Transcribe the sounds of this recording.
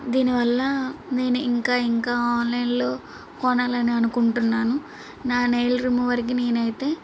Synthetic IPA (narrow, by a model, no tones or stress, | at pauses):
d̪iːniʋɐlːɐne̞ːnuiŋkaːiŋkaːaːnlɐjnlo̞ː | kɔnaːlɐniɐnukuɳʈunːaːnu | naːnejlɾimuʋɐɾɐk̬ine̞ːnɐjit̪e̞ː